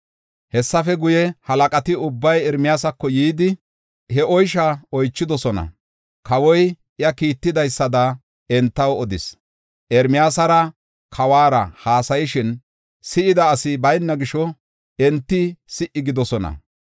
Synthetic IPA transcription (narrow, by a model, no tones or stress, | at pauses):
hɛsːɐfɛɡʊjɛhɐlɐkʼɐt̪ɪʊbːɐjɛɾmɪjaːsɐkːɔjiːd̪ɪ | hɛʔɔjʃ̬aɔjt͡ʃːɪd̪ɔsɔnɐ̰ | kɐwɔj | ɪjɐkiːt̪ːɪd̪ɐjsːɐd̪ɐ | ɛnt̪ːɐwɔd̪ɪs | ʔɛɾmɪjaːsɐɾɐ | kʰɐwaːɾɐ̰haːsɐjɪʃɪn | sɪʔɪd̪ɐːsɪbɐjnːɐɡɪʃɔ | ɛnt̪ːɪsɪʔɪɡɪd̪ɔsɔnɐ̰